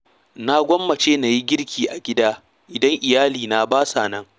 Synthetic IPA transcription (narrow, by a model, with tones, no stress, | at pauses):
na˦ɡʷɔ˦mːɐ˨t͡ʃeː˦na˨ji˦ɡʲɪ˦ɽkʲʰiː˨ʔa˨ɡʲɪ˦daː˦ | ʔɪ˨dɐ˦ŋʔɪ˨jaː˦liː˨na˨baː˦saː˨nɐ˦ŋ